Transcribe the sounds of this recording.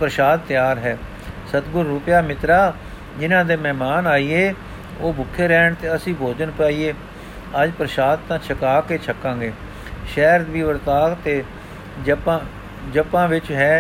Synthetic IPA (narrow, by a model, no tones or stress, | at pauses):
pɾəʃaːd̪̚t̪ːɪjaːɾɦɛː | sət̪ɡʊɾːuːpjaːmɪt̪ɾaː | d͡ʒɪnãːd̪eːmɛːmaːnaːiːeː | oːbʊkʰːeːɾɛːɳt̪eːəsĩːbʱoːd͡ʒənpaːiːeː | əd͡ʒpɾəʃaːd̪t̪ãːt͡ʃʰəkaːkeːt͡ʃʰəkːãːɡeː | ʃɛːɾd̪biːʋəɾt̪aːkt̪eː | d͡ʒəpãː | d͡ʒəpãːʋɪt͡ʃɦɛː